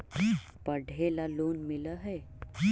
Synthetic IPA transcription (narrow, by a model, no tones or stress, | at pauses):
pəɽ̤ʱelalonmiləɦej